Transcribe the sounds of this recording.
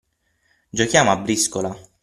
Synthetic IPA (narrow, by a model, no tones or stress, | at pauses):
d͡ʒokjaːmoabːɾiskola